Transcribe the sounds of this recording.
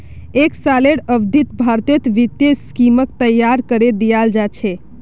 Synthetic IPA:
eksaleɽəbd̪ʱit̪bʱaɾt̪et̪ʋit̪jeskimək̚t̪əjːaɾkəɾed̪ijald͡ʒat͡ʃʰɛ

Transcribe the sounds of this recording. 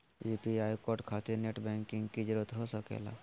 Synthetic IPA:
eːpiaːjkoːɾʈkʰaːt̪ineʈbɛ̃ːŋkɪ̃ŋɡkid͡ʒɾət̪ɦosəkḛːla̰ː

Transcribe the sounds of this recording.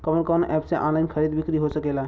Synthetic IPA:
kəbənkɔnʔɛpseʔɔ̰̃nlaɪnkʰəɾid̪bikɾiɦosəkela

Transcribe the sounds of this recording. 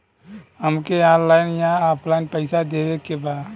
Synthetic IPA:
həmkeãːnlaːɪnjãaːpʰlaːɪnpəɪsad̪eːʋekebaːd̪

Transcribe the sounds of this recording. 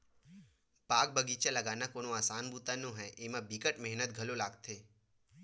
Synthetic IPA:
paːk̚bəɡiːt͡ʃalɐɡaːnakoːnoaːsaːnbuːt̪anõɦɛʔemãbikəʈmɛɦnət̪̚ɡʱɐlolaːɡt̪ʰeː

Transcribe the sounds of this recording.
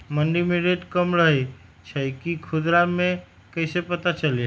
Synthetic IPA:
məɳɖimeɾeʈkəmɾəɦɛj | t͡ʃʰəjkikʰud̪ɾame | kəɪsepət̪at͡ʃəlj

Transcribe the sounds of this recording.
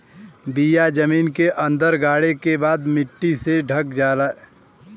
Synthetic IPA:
bijad͡ʒɐmiːnkeʔɐ̃nd̪əɾɡaːɽekebaːd̪mɪʈːiseɖʱɐkd͡ʒaːɾae

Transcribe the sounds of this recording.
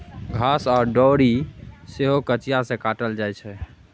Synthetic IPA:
ɡʱasɔːɾɖɔɾiseɦokət͡ʃijasẽkaʈəld͡ʒajt͡ʃʰɛ

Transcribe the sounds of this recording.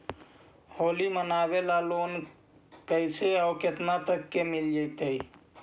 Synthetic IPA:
holimənabelalon | kəjseaʊket̪nat̪əkːemild͡ʒəjt̪əj

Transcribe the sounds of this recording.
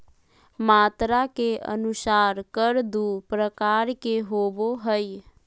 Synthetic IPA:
maːt̪ɾakeʔə̰nʊsaːɾkəɾd̪upɾəkaːɾkeɦoːboɦəj

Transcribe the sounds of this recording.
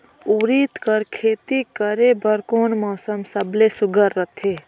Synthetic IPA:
uɾiːt̪kəɾkʰeːt̪ikəɾebəɾkoːnmɔːsəmsɐblesʊɡəɾːɐt̪ʰeː

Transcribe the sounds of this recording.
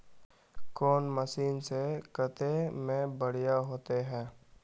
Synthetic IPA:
kɔːnməsiːnsekət̪emẽbəɽ̤ijaɦoːt̪eɦɛ̃ː

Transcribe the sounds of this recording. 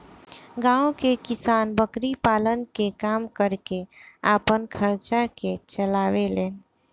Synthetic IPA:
ɡãːõkekɪsaːnbəkɾipaːlənkekaːmkəɾkeaːpənkʰəɾt͡ʃaket͡ʃəlaːweleːn

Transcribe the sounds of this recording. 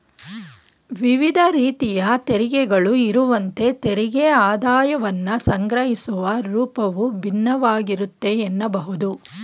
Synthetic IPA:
ʋiʋid̪ʱɐɾiːt̪ijɐt̪eɾiɡɛɡɐɭuiɾuʋɐnt̪e̞t̪eɾiɡeaːd̪aːjɐʋɐnːɐsɐŋɡɾɐɦisuʋɐɾuːpɐʋubʱinːɐʋaːɡiɾut̪ːe̞ːnːɐbɐɦud̪u

